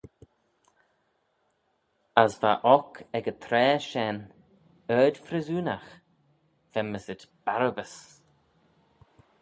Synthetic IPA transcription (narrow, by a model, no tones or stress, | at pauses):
asva̰ʔɔkʰɛɡət̪ʰɾɛːʃɛn | œːd̪fɾɛzuːnax | v̥ɛməsɪdb̥aɾəbəs